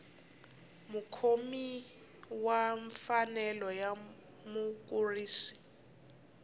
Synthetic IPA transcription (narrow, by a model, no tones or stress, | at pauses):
mukʰomi | waɱfanɛlɔja | muk̬uriːsi̥